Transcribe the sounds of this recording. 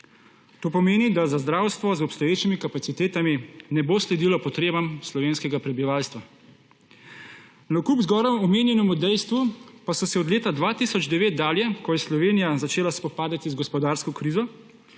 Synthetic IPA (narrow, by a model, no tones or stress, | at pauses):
t̪oːpɔmeːnid̪azazd̪ɾaːwst̪ʋɔzɔpst̪ɔjeːt͡ʃimikapat̪sit̪eːt̪aminɛboːslɛd̪ilɔpɔt̪ɾeːbamslɔʋeːnskɛɡapɾɛbiʋaːlst̪ʋa | nɐkupzɡɔːɾɔmɔmeːnjɛnɔmud̪ɛjst̪ʋupasɔsɛɔd̪leːt̪ad̪ʋaːt̪isɔd͡ʒd̪ɛʋeːt̪̚d̪aːljɛkɔjɛslɔʋeːnijazat͡ʃeːlaspɔpaːd̪at̪izɡɔspɔd̪aːɾskɔkɾiːzɔ